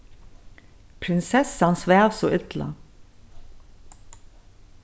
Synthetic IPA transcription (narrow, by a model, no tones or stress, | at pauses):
pʰɾɪnsɛsɑnsʋæːʋsoːʔʏt̪lɑ̰